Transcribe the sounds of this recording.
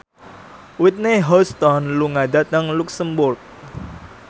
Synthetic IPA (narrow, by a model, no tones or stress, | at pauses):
wɪt̪̚neɦɔst̪ɔnluŋadat̪̚nəŋluksəmbʊrk̚